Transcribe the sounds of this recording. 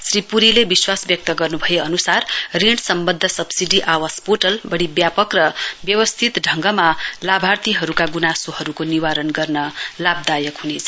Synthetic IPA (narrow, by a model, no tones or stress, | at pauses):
sripuɾilebiswasbjʌk̚t̪ʌɡʌrnubʱʌjeʌnusarriɽsʌmbʌd̪ʱːʌsʌbsiɖiʔawaspoʈʌlbʌɽibjapʌkrʌbjʌwʌst̪ʰit̪ɖʱʌŋɡʌmalabʱart̪iɦʌɾukaɡunasohʌɾukoniwaɾʌnɡʌrnʌlab̚d̪ajʌkɦunet͡sʰʌ